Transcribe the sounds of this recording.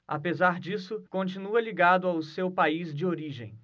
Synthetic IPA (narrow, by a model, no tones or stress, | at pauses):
a̰pezaɾd͡ʒisʊkõnt͡ʃinuɐliɡad̪ʊawsewpaizd͡ʒɪoɾiʒḛ̃j̃